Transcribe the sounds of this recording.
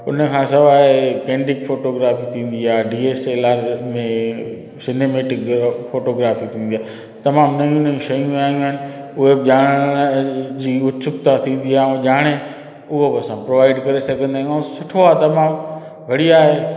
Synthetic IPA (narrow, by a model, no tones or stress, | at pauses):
ʊ̰nə̆kʰãːsɐʋaːekẽːɳɖɪkfoːʈoːɡɾaːfit̪ʰĩːn̆d̪iaːɖiːeːseːlaːɾmẽ | sɪneːmeːʈɪkfoːʈoːɡɾaːfit̪ʰĩːnd̪iaː | t̪ɐmaːmnɐũnəũʃɐjũaːij̃ũɦɪnɪ̆ | ʊɦeʄaːɽ̃ | d͡ʑiːʊt̪sʊkt̪at̪ʰĩːn̆d̪iaːũʄaːɽ̃e | ʊɦobɪɐsãpɾoʋaːɪɖkɐɾesɐɡʱə̃nd̪aːj̃asʊʈʰoaːt̪ɐmaːm | ʋʱɐɽiaːɦeː